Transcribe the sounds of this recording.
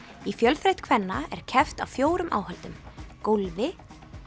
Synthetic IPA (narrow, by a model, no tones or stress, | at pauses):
ifjœlθɾejht̪kʰvɛnːaɛ̰ɾ̥cʰɛft̪awfjoːwɾʏmʔa̰ːwhɛlt̪ʏmkolvɪ